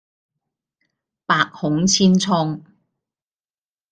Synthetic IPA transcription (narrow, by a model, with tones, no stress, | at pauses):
paː˨˧k̚hʊ˨˥ŋt͡sʰiː˥nt͡sʰɔː˥ŋ